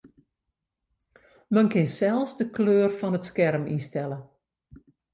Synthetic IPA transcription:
mənkɪnsɛlˠsdəkløːrfɔnətskɛrmḭnstɛlə

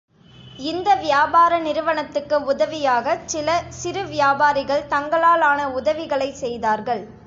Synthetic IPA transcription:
ɪnd̪ɐʋɪjaːbaːɾɐnɪɾɯʋɐɳɐt̪ːɯkːɯʊðɐʋɪjaːɣɐsɪlɐsɪɾɯʋɪjaːbaːɾɪɣɐɭt̪ɐŋɡɐɭaːlaːnɐʊðɐʋɪɣɐɭɐɪsɛjðaːɾɣɐɭ

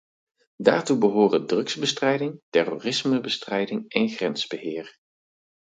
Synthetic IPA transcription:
da̰ːɹtubəɦoːrədrɵkzbəstrɛjdɪŋtɛroːrɪsməbəstrɛjdɪŋɛnχrɛnz̥bəɦɪːɹ

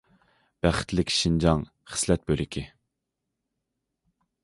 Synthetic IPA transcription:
b̥æχɪ̥t̪lɪkʲʃind͡ʒɑŋ | χə̥slɛt̪̚bølɪkʲʰi

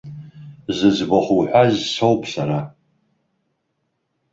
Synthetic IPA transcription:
zɨzbaχuħʷazsowpʼsaɾa

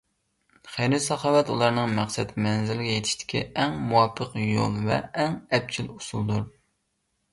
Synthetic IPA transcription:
χejɾɪsɑχɑːwɛt̪ulˠɑɾnɨŋmæqsɛt̪mɛnzɪlɪɡʲɛjet̪ʰɪʃt̪ʰɪ̥kʲʰḭɛŋmuwɑpʰːəqjo̰lˠvɛ̰ɛŋɛp̚t͡ʃʰilusulˠd̪uɾ

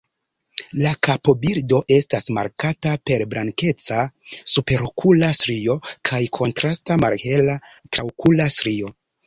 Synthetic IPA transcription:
lakapo̞biɾdo̞ʔe̞stasma̰ɾkatape̞ɾbɾʔaŋke̞t͡sasupe̞ɾokʰulasɾio̞kʰajkʰo̞ntɾastama̰ɾhela | tawkʰulasɾio̞

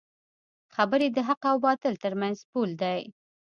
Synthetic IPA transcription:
xabəɾed̪əɦaqawbɑt̪əlt̪əɾmanzpuld̪aj

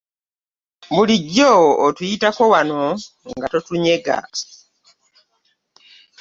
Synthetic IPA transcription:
βuliɟːoːtujitako̞wano̞ | ŋɡatotuɲe̞ɡa̰

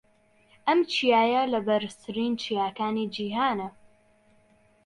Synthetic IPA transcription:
ʔɐmt͡ʃʰijaːjɐlɐbɐɾɨst̪ʰɨɾiːnt͡ʃʰijaːkaːnid͡ʒiːɦaːnɐ

